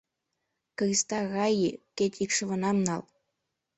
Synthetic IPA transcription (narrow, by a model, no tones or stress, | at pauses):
kɤrʲist̪ɑɣɑjikʲet̪ʲikʃɤ̆vɤ̆nɑmnɑlˠ